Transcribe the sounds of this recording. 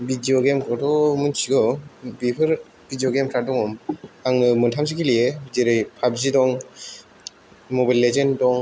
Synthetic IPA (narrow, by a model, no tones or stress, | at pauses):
bidioɡemkʰɾɔtɔmɯnsiɡɔbipʰɯɾ | bidijoɡemkʰɾadɔŋɔmaŋɯmɯntʰams̬ikʰilijebzeɾɯjpʰabzidɔŋ | mɔbajlːezendɔŋ